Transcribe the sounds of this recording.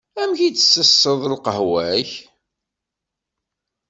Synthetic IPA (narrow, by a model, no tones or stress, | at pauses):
æmçit͡sə̥sːəsːəðˤlqəɦwæç